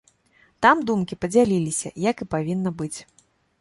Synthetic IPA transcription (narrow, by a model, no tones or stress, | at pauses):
t̪amd̪umkʲipɐd͡zʲalʲilʲisʲɐ̰jɐkɨpavʲinːɐbɨt͡sʲ